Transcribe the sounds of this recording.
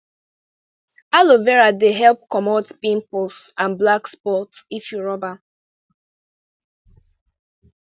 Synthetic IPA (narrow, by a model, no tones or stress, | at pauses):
alovɛɹadeɦɛlˠp̚kɔmɔtpĩmplsãnblakspɔtsifjuɹɔba